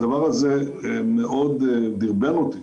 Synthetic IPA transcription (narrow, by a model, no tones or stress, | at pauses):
d̪avaʁazeemeʔod̪d̪iʁbenot̪i